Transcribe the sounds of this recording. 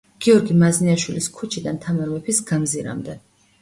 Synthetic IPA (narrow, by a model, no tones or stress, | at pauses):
ɡ̥iɔɾɡimazniaʃwiliskʰut͡ʃʰid̪ant̪ʰamɛɾmɛpʰisɡamziɾa̰md̪ɛ